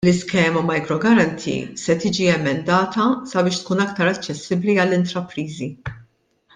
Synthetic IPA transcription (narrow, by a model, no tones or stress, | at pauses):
lɪskɛːmɐmɐjkɾɔɡɐɾɐnt̪ʰḭsɛt̪iːd͡ʒiɛmɛnd̪ɐːt̪ɐsɐbɪːʃt̪kuːnɐkt̪ɐɾɐt͡ʃːɛsːɪbliɐlːɪnt̪ɾɐpɾiːzi